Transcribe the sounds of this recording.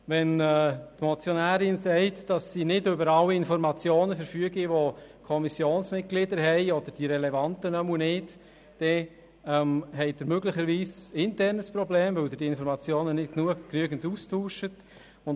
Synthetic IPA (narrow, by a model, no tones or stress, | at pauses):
ʋɛnɛtmot͡sjonæːɾɪnsɛɪtd̥ɑsːinɪdøbəɾɑlːiɪnfɔɾmɑt͡sjoːnəfəɾfyəɡiʋokʰɔmisjoːnsmɪt̚ɡ̥lɪdəɾɦɛɪɔd̥̪əɾd̥iɾɛlɛvɑntənœmunɪt | d̥ɛ | ɛmhɛɪd̥̪ɪɾmøɡlɪχəɾʋiːsɪntɛrnəspɾɔbleːmvɵldɪd̥iːɪnfɔɾmɑt͡sjoːnənɪt̚knuəknyəɡn̩tuːstʰuːʃət | ʊn